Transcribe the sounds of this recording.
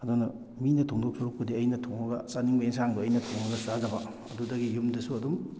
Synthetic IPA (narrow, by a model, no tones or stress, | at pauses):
ɐdunɐ | minɐtʰoŋdok̚suɾuk̚pɐdiɐjnɐtʰoŋɐɡɐsaniŋbɐeŋs̬aŋbɐːjnɐtʰoŋɐɡɐzazɐbɐ | ɐdudɐɡijumdɐsuɐdum